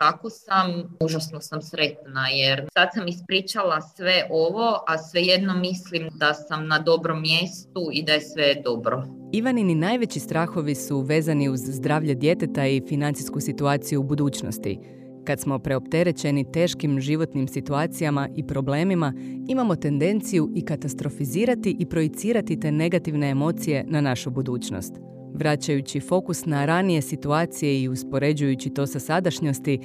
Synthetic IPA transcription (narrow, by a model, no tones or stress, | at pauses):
t̪akosamuʒasnosamsɾe̞t̪najeɾsad̪samispɾiːt͡ʃalˠasʋe̞ʔoʋo̞ʔasʋeje̞d̪nomːislimd̪asamnad̪o̞bɾomːjest̪uid̪ajesʋe̞d̪o̞bɾo | iʋanininaːjʋe̞t͡ɕist̪ɾaːxo̞ʋisuʋe̞ːzaniuzːd̪ɾaːʋʎad̪je̞t̪et̪aifinant̪siskusit̪uaːt̪sijuubud̪uːt͡ɕno̞̰st̪ḭ | kat̪smo̞pɾe̞opt̪e̞ɾe̞t͡ɕe̞nit̪e̞ːʃkimʒiʋo̞t̪nimsit̪uaːt̪sijamaʔipɾo̞ble̞ːmimaimamo̞t̪e̞nd̪e̞nt̪sijuikat̪ast̪ɾo̞fiziːɾat̪iʔipɾo̞jit̪siːɾat̪it̪e̞ːne̞ɡat̪iʋne̞ːmo̞ːt̪sije̞nanaʃubud̪uːt͡ɕno̰st̪ | ʋɾat͡ɕajut͡ɕifo̞kusnaɾanije̞sit̪uaːt̪sije̞iuspo̞ɾe̞d͡ʑujut͡ɕit̪o̞ːsasad̪aʃɲo̞st̪i